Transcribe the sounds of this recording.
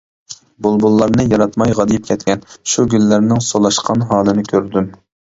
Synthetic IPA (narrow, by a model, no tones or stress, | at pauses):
bolˠbulˠːɑɾnɨjɑɾɑt̪mɑjʁɑd̪ɨjip̚kʲʰɛt̪̚kʲɛnʃuɡʲylːɪɾnɪŋsolˠɑʃqʰɑnɦɑːlˠɨnɨkʲʰøɾd̪ym